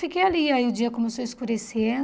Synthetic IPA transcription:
fikejaliaiʊd͡ʒiɐkõmesoiskuɾese

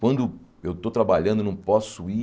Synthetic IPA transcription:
kwɐ̃nd̪ʊewt̪ot̪ɾabaʎɐ̃d̪ʊnɐ̃w̃pɔsʊi

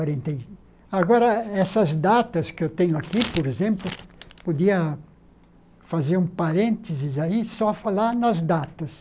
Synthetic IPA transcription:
aɾẽnt̪ẽj | aɡɔɾɐɛsɐzd̪at̪ɐskɪewt̪ẽɲʊakipoɾezẽmplʊpod̪iɐ | fazeɾũpaɾẽnt̪ezɪzaisɔfalaɾnɐzd̪at̪ɐs

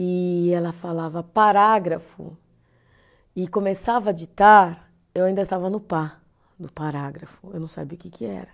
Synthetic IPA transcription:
ɪɛlɐfalavɐpaɾaɡɾɐfʊ̰ | ɪkõmesavɐd͡ʒit̪aɾ | ewaĩd̪ɐɪst̪avɐnʊpa | d̪ʊpaɾaɡɾɐfʊewnɐ̃w̃sa̰biʊkɪkʰɪɛ̰ɾɐ

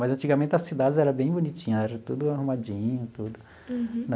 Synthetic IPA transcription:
mazɐ̃nt͡ʃiɡɐmẽnt̪ɪɐsid̪ad͡ʒɪzɛɾɐ̃bẽj̃bunit͡ʃĩɲɐɛɾɐt̪ud̪ʊaɦumad͡ʒĩɲʊt̪ud̪ʊ | n

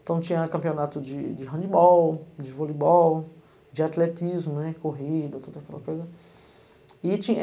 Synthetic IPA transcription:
t̪ɐ̃w̃t͡ʃĩɲɐkɐ̃mpionat̪ʊd͡ʒɪd͡ʒɪɦɐ̃d͡ʒ̪ɪbɔwd͡ʒɪvɔlibɔw | d͡ʒɪat̪let̪izmʊnɛkoɦid̪ɐt̪od̪ɐkɛlɐkojzɐ | ɪt͡ʃĩɐ

